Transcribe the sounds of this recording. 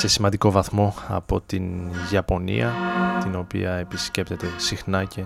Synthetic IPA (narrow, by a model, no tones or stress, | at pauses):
se̞simɐnd̪iko̞vɐθmo̞ɐ̰po̞t̪inʝɐpo̞nḭɐt̪ino̞pḭɐe̞pisce̞pt̪e̞t̪e̞sixnɐce̞